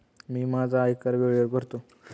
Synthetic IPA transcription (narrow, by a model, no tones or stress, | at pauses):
miːmad͡zʱaːjkəɾʋeɭjəkəɾt̪o